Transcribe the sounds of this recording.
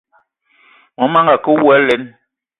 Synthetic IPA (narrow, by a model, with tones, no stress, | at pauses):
mɔ˨˦ma˦ŋɡa˨ko˦wɛ˨˦lɛ˨˦n